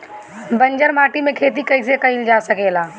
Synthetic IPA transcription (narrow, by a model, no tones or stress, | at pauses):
bɐ̃ɲd͡ʒəɾmaːʈimẽkʰeːt̪̬ikɐis̬ekɐild͡ʒaːsəkeːlaː